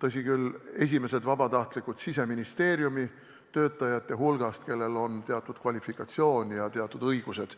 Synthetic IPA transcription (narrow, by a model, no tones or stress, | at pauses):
t̪ɤs̬ʲikylːe̞s̬ʲime̞se̞d̪vɑb̥ɑt̪ɑht̪likːˑud̪̥sise̞minist̪e̞ːɾjumi | t̪ø̞ːt̪ːˑɑjɑt̪ˑːeɦulɡ̥ɑst̪ke̞lːe̞lo̞nt̪e̞ɑt̪ːˑud̪̥̚kvɑlʲifikːˑɑt̪sio̞ːnʲjɑt̪e̞ɑt̪ːˑud̪̥ɤjɡ̥use̞d̪̥